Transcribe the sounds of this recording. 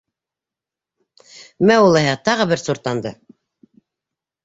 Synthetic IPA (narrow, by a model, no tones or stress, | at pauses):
mæulˠɤɦɑt̪ɑʁɤ̆bɘɾsuɾt̪ɑnd̪ɤ